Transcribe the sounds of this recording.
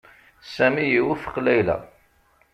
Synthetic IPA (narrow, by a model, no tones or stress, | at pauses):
sæmijiwufə̥qlæjlæ̰